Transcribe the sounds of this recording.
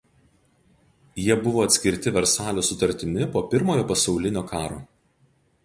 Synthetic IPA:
jiɛbʊʋoːɐt̪ʲsʲkʲɪɾʲt̪ʲɪʋʲɛɾsɑːlʲoːsʊt̪ɐɾʲt̪ʲɪmʲɪpoːpʲɪɾmoːjoːpɐsɒʊlʲɪnʲoːkɑːɾo̰ː

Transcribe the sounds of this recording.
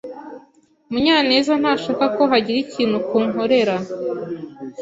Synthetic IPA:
muɲaːne̞ːzan̥aːʃaːkako̞ɦaɟiɾiciːn̥hukuːnɦo̞ɾe̞ɾa

